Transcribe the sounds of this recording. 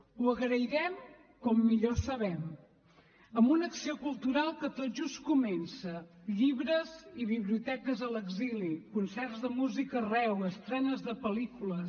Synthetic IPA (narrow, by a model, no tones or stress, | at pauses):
uəɣɾəiɾɛm | kɔmːiʎosəβɛm | əmbunəksiokulˠt̪uɾalˠkət̪oʒuskumɛnsəʎiβɾəziβiβliut̪ɛkəzələɡzilikunsɛrzðəmuzikərɛwəst̪ɾɛnəzðəpəlikulə